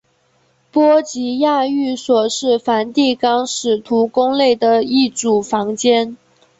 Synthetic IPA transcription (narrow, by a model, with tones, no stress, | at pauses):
pwɔ˥t͡ɕi˧˥ja˥˧y˥˩swɔ˨˩ʂɻ̩˥˩fa˧˥nt̪i˥˩kɑ˥ŋʂɻ̩˨˩t̪ʰu˧˥kʊ˥ŋle˥˩ɪd̪ə˩i˥˩ʈ͡ʂu˨˩fɑ˧˥ŋt͡ɕjɛ˥n